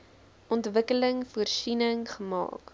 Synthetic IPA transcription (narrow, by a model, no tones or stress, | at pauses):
ʔɔntvəkələŋfuərsinəŋχəmɑ̰ːk